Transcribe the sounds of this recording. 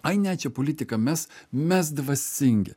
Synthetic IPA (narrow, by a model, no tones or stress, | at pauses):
ɐɪnʲɛt͡ʃʲɛpolʲɪt̪ʲɪkɐmʲɛsmʲɛs̬d̪ʋɐsʲɪŋʲɡʲɪ̰